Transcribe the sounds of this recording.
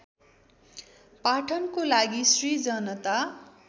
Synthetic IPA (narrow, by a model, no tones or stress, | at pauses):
paʈʰʌnkolaɡisrid͡zʌnʌt̪a